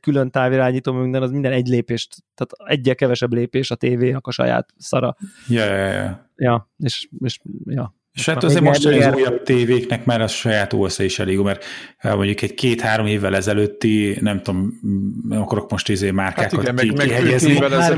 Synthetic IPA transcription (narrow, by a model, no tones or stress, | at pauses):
kylønt̪aːviɾaːɲiːt̪oːmøyŋd̪ɛnɒzmind̪ɛnɛɟleːpeːʃt̪t̪aːt̪ɛɟːɛlkɛvɛʃɛbleːpeːʃɒt̪eːveːɒkɒʃɒ̰ja̰ːt̪sɒɾɒ̰jɒjj̰jɒ̰ | jɒeːʃeːʃjɒ | eʃat̪ːøɒzeːmoɛnɛzuːjɒb̚t̪eːveːknɛkmaːɾɒʃɒjaːt̪o̰ːɛsɛiʃɛleːɡjuːmɛrmoɲɟukɛɟkeːt̪haːɾo̞mheːvːɛlɛzɛløːt̪ːinɛmt̪o̞m | ɒkɒɾo̞k̚mo̞ʃt̪izeːmaːrkaːkkɒiiɦɛɟɛzi